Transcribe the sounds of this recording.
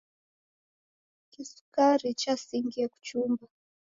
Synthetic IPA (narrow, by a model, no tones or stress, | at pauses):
kisu̥kaɾit͡ʃasiŋɡiaku̥t͡ʃumba